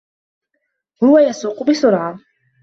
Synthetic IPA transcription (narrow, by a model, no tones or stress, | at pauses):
hʊwajasuːqʊbɪsʊɾʕa